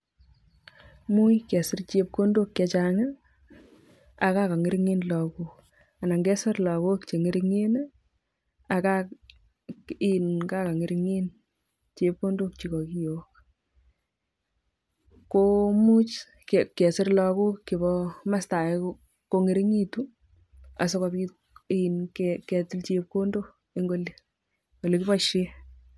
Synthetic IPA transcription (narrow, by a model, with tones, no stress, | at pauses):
mu˦jkɛ˨sɪ˦rt͡ʃe˧˦p̚ko˦ndo˦kːɛ˧t͡ʃa˦ŋa˦ | a˨ka˦ka˨ŋi˦ɾŋi˦nlɔ˨ku˦k | a˨na˨ŋɡɛ˦sɪ˦ɾlɔ˨ku˦kt͡ʃe˨ŋe˦ɾi˧ŋe˦n˦ | a˨ka˦ | i˦nka˦ka˨ŋi˦ɾŋi˦n | t͡ʃe˧p̚ko˦ndo˦k̚t͡ʃi˨kɔ˨ki˦jo˨k̚ | ko˦mu˦t͡ʃ | kkːɛ˨sɪ˦ɾla˨ko˦kːɪ˨bɔma˦sta˨k | ko˧ŋe˦ɾi˦ŋi˦tu˦ | a̰˨so˦ka˧pi˦ | i˦˨nkkɛ˨ti˦lt͡ʃe˦p̚ko˦ndo˦ | e˦ŋɡo˦le | o˨le˨kɪ˦bɔ˨ʃɪ˦